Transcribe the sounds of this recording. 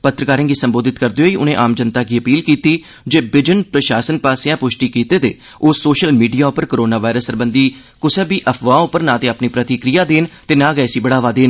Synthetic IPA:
pət̪ɾəkaːɾẽːɡiːsəmboːd̪ɪt̪kəɾd̪eɦoːiːʔʊnẽːʔaːmd͡ʒənt̪aːɡiːəpiːlkiːt̪iː | d͡ʒeːbɪd͡ʒənpɾəʃaːsənpaːsɪãːpʊʃʈiːkiːt̪eːt̪eː | ʊsːoːʃəlmiːɖijaːʊpəɾkoɾoːnaːʋaːɪɾəsəɾbə̃nd̪iː | kʊsebiːʔəpʰʋãːʊpəɾnãːt̪eːapniːpɾət̪ikɾijaːd̪eːnt̪eːnãːɡɛːsiːbəɽaːʋaːd̪eːn

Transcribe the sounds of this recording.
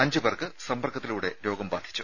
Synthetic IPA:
ɐɲd͡ʑubɐrkɨsɐmbɐrkʰːɐt̪ːiluːɽe̞ɾo̞ːɡɐmbaːd̪ʰʱi̥t͡ɕːu̥

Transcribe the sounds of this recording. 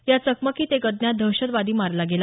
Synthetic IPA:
jat͡səkməkɦiːt̪ekəd̪njad̪ʱəɕəd̪ʋad̪iːmaɾlaɡela

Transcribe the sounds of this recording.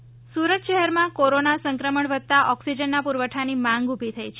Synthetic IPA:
suɾət̪ʃəɦɛɾmãkoɾonasə̃ŋkɾəməɳʋəd̪̚t̪aʔɔksid͡ʒənːapuɾʋəʈʰanimãŋɡubʱit̪ʰəjt͡ʃʰe

